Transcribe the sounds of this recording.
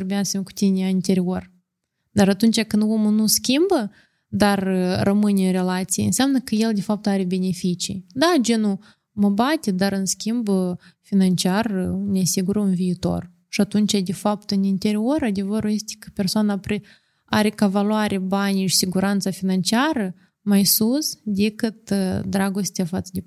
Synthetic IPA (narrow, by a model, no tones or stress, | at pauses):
oɾbeasəmʲeku̥t̪inʲeaint̪e̞ɾio̞r | d̪aɾat̪unt͡ʃakɨnd̪omunuskʲimbə | d̪arːəmɨnʲɨnre̞lat̪sijḛnsʲamnəkəje̞ld̪e̞fap̚t̪aɾe̞be̞ne̞fit͡ʃḭjd̪ad͡ʒenu | məbat̪ʲe̞d̪aɾɨnskʲimb | finant͡ʃiarnʲeasiɡuɾəunviːt̪o̞̰r | ʃiat̪unt͡ʃad̪e̞fapt̪ɨnint̪e̞ɾio̞ɾad̪e̞vəɾuje̞st̪ʲe̥kə̥pʲe̞rsoanapɾe | a̰ɾe̞kavaluaɾʔebanʲiʃi̥siɡuɾant̪safinant͡ʃiaɾə | majsusd̪ekɨt̪d̪ɾaɡo̞st̪ʲeafat̪səd̪ʲe